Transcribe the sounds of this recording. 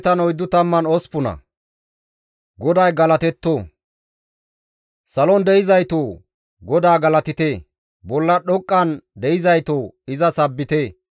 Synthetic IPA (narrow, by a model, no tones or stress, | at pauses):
t̪ɐnɔjd̪ːʊt̪ɐmːɐnɔspʊnɐ̰ | ɡɔd̪ɐjɡɐlɐt̪ɛt̪ːoː | sɐlɔnd̪ɛɪzɐjt̪oː | ɡɔd̪aːɡɐlɐt̪ɪt̪e | bɔlːɐɗɔkʼːɐnd̪ɛɪzɐjt̪oːɪzɐsɐbːɪt̪eː